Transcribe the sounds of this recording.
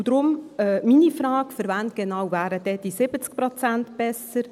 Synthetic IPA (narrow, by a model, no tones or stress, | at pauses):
d̥̪ɾʊmɛminifɾɑːkfəɾvænt̚ɡ̥enɑwvæːɾəd̥ɛd̥isɪbət͡sk̚pɾɔt͡sænt̪b̥ɛsəɾ